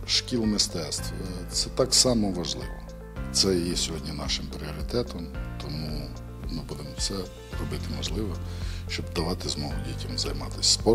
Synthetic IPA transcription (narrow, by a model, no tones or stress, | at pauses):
ʃkʲilˠmɪst̪ɛst̪ʋɔt̪sɛt̪ɑksɑmɔʋɐʒlˠɪ̰ʋɔ | t̪sɛjjɛsʲɔɦɔdʲnʲinɑʃɪmpɾʲɪɔɾʲɪt̪ɛt̪ɔmt̪ɔmu | mɪbud̪emɔwsɛ | rɔbɪt̪ɪmɔʒlˠɪʋɔʃt͡ʃɔbd̪ɐʋɑt̪ɪzmɔɦˠʊdʲitʲɐmzɐjmɑt̪ɪsʲspɔ